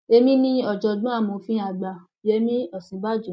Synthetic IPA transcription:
e˧mĩ˦nĩ˦ɔ˨d͡ʒɔ˧dũ˦a˦˨mõ˨˦fĩ˦a˧ɡ͡ba˧˨e˦mĩ˦ɔ˨sĩ˨˦ba˦˨d͡ʒu˨

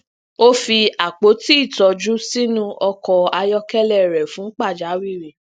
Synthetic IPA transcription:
o˦fi˧a˨k͡po˨˦ti˦i˦˨tɔ˧d͡ʒu˦si˦nũ˦ɔ˧kɔ˨˧a˧jɔ˦kɛ˦lɛ˦˨ɾɛ˨fũ˨˦k͡pa˦˨d͡ʒa˨˦wi˦˨ɾi˨

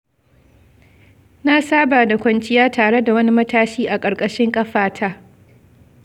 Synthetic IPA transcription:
na˦saː˦baː˨da˨kʷɐ˨nt͡ʃʼɪ˦jaː˦tʰaː˨ɽe˦da˨wɐ˦ni˦mɐ˦tʰaː˦ʃiː˦ʔa˨kʼɐ˨ɾkʼɐ˦ʃɪ˦ŋkʼɐ˦ɸaː˨tʰaː˦

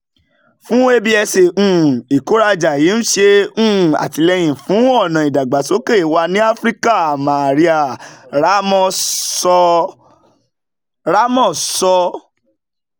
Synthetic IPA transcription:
fũ˦e˦˧bi˦ɛ˧se˨ũ˨i˨ko˨˦ɾa˧d͡ʒa˨ji˨˦ñ̩˦ʃe˧ũ˦˨a̰˨ti˧lɛ˧j̃ĩ˨fũ˨˦ɔ˦˨nã˨i˨da˨ɡ͡ba˨so˨˦ke˦˨i˨wa˧nĩ˦a˦fɾi˦ka˦˨a˨mã˨ɾi˧a˨ɾa˨˦mɔ̃˦˧sɔ˧ | ɾa˨˦mɔ̃˦˨sɔ˧

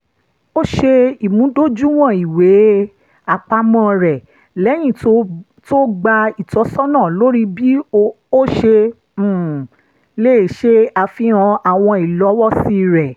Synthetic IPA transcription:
o˦ʃe˧i˨mũ˨˦do˦d͡ʒu˦w̃ɔ̃˦˨i˨we˨˦ | a˧˨k͡pa˧mɔ̃˦˨ɾɛ˨ | lɛ˨˦j̃ĩ˦˨o˦ | to˦ɡ͡ba˧i˨tɔ˨˦sɔ˦nãː˦˨lo˦ɾi˦bi˦ | o˦ʃe˧˦˨ | le˦˨ʃe˧a˧fi˦ɔ̃˧a˨w̃ɔ̃˧i˨lɔ˨˦wɔ˦si˦ɾɛ˨

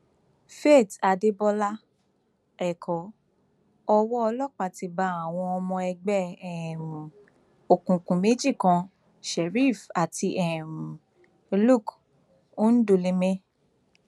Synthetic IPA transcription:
fe˦˨ta˨de˦bɔ˧la˦ | ɛ˨kʰɔ˨˦ | ɔ˧wɔ˦ɔ˧lɔ˦k͡pa˨ti˧ba˧˦a˨w̃ɔ̃˧ɔ˧mɔ̃˧ɛ˧ɡ͡bɛ˦ɛ˨mũ˨ | o˨kũ˨kũ˨me˨˦d͡ʒi˦˨kã˧ | ʃɛ˨ɾi˦˨fa˨ti˧ʔɛ˨m̩˨ | lu˦˨k | o˦n̩˦do˧le˧mɛ̃˦

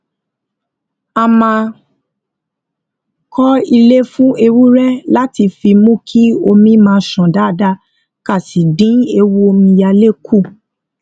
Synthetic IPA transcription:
a˧mã˧ | kʰɔ˦i˧le˦fũ˦e˧wu˦ɾɛ˦la˦ti˧fi˧mũ˦kʰi˦o˧mĩ˦mãː˧ʃɔ̃˨da˦˨da˧ | ka˦˨si˨dĩ˨˦e˧wu˦o˧mĩ˧ja˧le˦˨kʰu˦˨

